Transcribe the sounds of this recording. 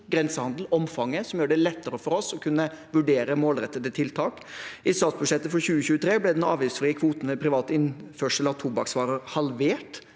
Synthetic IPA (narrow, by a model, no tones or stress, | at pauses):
ɡɾɛnsəhɑnd̪l̩ɔmfɑŋːəsɔmjøːɖɛlɛt̪ːəɾəfɔɾɔsɔkʰʉnːəʋʉɖeːɾəmoːlɾɛt̪ːəd̪ət̪ʰɪlt̪ʰɑːk | ʔɪsɑt̪sbʉʂɛt̪ːəfɔɾçʉːəçʉːət̪ʰɾeːblɛd̪ɛnɑ̰ːʋjiːsfɾɪːəkʰʋuːt̪n̩mʋɛpʰɾɪʋɑːt̪əɪnføːʂəlɑt̪ʰuːbɑ̰ksʋɑːɾəɾhɑlʋeːʈ